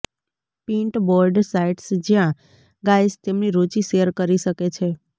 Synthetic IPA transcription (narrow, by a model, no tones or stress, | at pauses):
pĩɳʈboɾɖsaiʈsd͡ʒjã | ɡajst̪emniɾot͡ʃiʃeəɾkəɾiʃəket͡ʃʰe